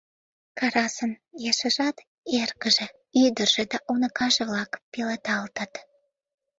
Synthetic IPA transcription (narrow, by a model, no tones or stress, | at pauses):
kɑɾɑsənjɑʃə̆ʒɑt̪ | erkəʒĕ | yd̪ərʒ̥ĕd̪ɑʔunəkɑʒeβlɑkpilɑt̪ɑlt̪ət̪